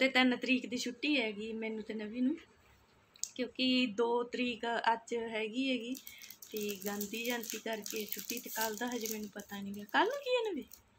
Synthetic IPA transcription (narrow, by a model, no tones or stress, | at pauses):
t̪eːt̪ɪnt̪əɾiːkd̪iːt͡ʃʰʊʈːiːɦɛːɡiːmɛːnũːt̪eːnəʋiːnũː | kjõːkɪd̪oːt̪əɾiːkəd͡ʒɦɛːɡiːɦɛːɡiːt̪eːɡə̃nd̪iːd͡ʒənt̪iːkəɾkeːt͡ʃʰʊʈːiːt̪eːkəld̪aːɦəd͡ʒemɛːnũːpət̪aːnĩːɡaːkəlũːkiːɛːnəbiː